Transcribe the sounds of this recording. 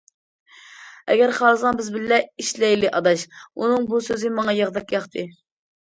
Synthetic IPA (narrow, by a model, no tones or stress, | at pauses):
ɛ̰ɡʲɛɾχɑlˠɨzɑnbɪzbɪlːɛiʃlɛjlɪʔɑd̪ɑʃunɨŋbusøzɪmɑŋɑjɑʁd̪ɑkjɑχt̪ʰɨ